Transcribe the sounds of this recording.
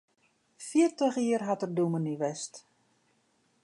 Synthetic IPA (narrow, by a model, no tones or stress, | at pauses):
fiərtəχiərɦatərduməniʋɛst